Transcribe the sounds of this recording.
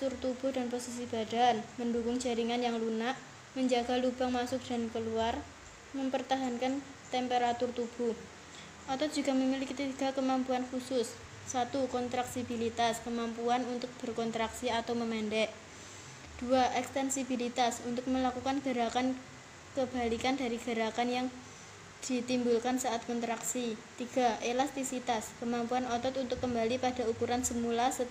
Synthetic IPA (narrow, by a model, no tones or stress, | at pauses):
t̪ʊrt̪ub̥ʊhdanposis̬ib̥a̤danməndukʊŋd͡ʒ̥a̤ɾiŋanjaŋlunaʔ | məɲd͡ʒaɡ̥a̤lub̥a̤ŋmasʊk̚d̥a̤nkəluar | məmpərt̪aɦankan | t̪ɛmpeɾat̪ʊrt̪ub̥uh | ʔat̪ɔ̥d͡ʒṳɡ̥a̤məmilikit̪iɡ̥a̤kəmampuankusʊsː | at̪ukɔnt̪ɾaksib̥ilit̪askəmampuanunt̪ʊk̚b̥ərkɔnt̪ɾaksiat̪awməmɛndɛʔ | d̥uaʔɛkst̪ɛnsibilit̪asunt̪ʊk̚məlakukanɡ̥ə̤ɾakan | kəb̥a̤likanda̤ɾiɡ̥a̤ɾakanjaŋ | d̪̥i̤t̪imbulkansaʔat̪̚kɔnt̪ɾaksit̪iɡ̥a̤ʔelast̪isit̪askəmampuanɔt̪ɔt̪unt̪ʊkːəmbalipad̥a̤ukuɾansəmulasə